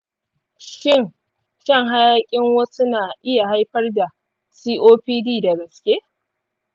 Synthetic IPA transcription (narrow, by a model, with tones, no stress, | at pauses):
ʃɪ˦ŋ | ʃɐ˦˨ŋɦa˦jaː˦kʲʼɪ˦ŋwɐ˦sʊ˦naː˨ʔɪ˦ja˨ɦa˦jɸɐ˦rda˨ | siː˦ʔoː˦ɸiː˦diː˦˨da˨ɡɐ˨skʲʼe˦